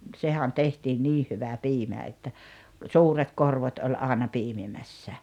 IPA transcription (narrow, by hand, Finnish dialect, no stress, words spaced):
sehæ̝n tehtiːn niː hyʋæ piːmæ etːæ suːret korʋot olʲ ɑˑenɑ piːmimæsːæ